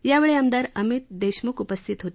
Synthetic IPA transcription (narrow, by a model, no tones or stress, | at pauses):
jaʋeɭeamd̪aɾəmit̪̚d̪eɕmukupəst̪ʰit̪ɦot̪